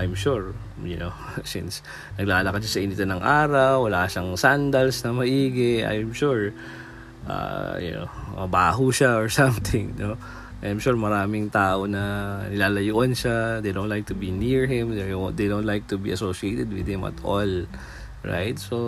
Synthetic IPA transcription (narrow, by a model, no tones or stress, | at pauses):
ʔajmʃuɹ | jʊnosḭns | nɐɡlaːlɐkɐd̪̚ʃasɐʔinɪt̪onɐŋʔaːɾɐwːɐlaʃɐŋsand̪ɐlsnɐmɐʔiːɡɪa̰jmʃuɹ | ʔa̰jʊ̰no̰wmɐbaːɦuʃaoɹsɐ̃mt̪ɪ̃ŋno | ʔajmʃuɹmɐɾaːmɪŋt̪aːʔonɐnɪlaːlɐjuʔɐnʃad̪ejd̪õwnt̪lajk̚t̪ʊbiniɹɦɪ̃md̪ɛod̪ejd̪ownt̪lajk̚t̪ʊbḭʔɐsoʃiejt̪ɛd̪̚wɪd̪hɪmɐ̰t̪ʔɔ̰l | ɹa̰jt̪̚so